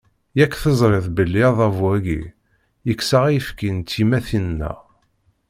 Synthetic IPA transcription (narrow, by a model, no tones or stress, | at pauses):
jækːθəzˤɾˤeðbəlːiðˤɑvwæɡḭ | jəkːsaʁjəfkint̪ːimæθinnːæ̰